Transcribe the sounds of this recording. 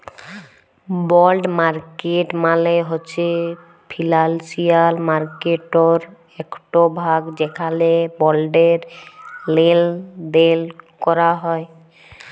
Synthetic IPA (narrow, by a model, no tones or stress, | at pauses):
bɔlɖmaɾkeʈmaleɦoːɕʰe | pʰilalsiaɾmaɾkeʈoɾ | ɛkʈobʱaɡd͡ʑekʰalebɔlɖeɾleld̪elkɔɾaɦɔe